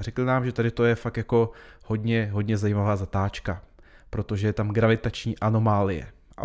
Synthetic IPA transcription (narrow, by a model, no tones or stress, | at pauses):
rɛklɪnaːmʒɛt̪adɪt̪o̞jɛfak̚t̪jako̞ho̞dɲɛɦo̞dɲɛzajimavaːzat̪aːt͡ʃka | pɾo̞t̪o̞ʒɛjɛt̪amɡɾavɪt̪at͡ʃɲiːʔano̞maːlɪjɛ̰ | ʔa̰